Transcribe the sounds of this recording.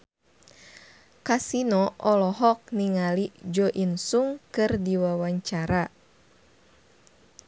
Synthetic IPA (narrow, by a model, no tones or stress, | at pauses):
kasinɔʔɔlɔɦɔk̚niŋalid͡ʒɔʔinsuŋkɨrdiwawaɲt͡ʃaɾa